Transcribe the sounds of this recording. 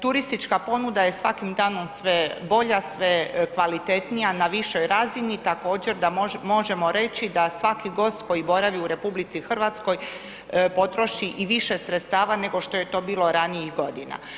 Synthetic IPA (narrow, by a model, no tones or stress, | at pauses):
t̪uɾist̪it͡ʃkapo̞nud̪aje̞sʋakimd̪aːno̞msʋebo̞ʎasʋekʋalit̪e̞t̪nijanaʋiʃo̞jɾaːzinit̪ako̞ːd͡ʑe̞ɾd̪amo̞ʒe̞mo̞ɾe̞t͡ɕid̪asʋakiɡo̞ːst̪ko̞jibo̞ɾaʋiuɾe̞publit̪sixr̩ʋat̪sko̞j | po̞t̪ɾo̞ʃiʔiʋiʃe̞sɾet̪st̪aːʋane̞ɡo̞ʃt̪o̞je̞t̪o̞ːbiːlˠo̞ɾanijixɡo̞d̪ina̰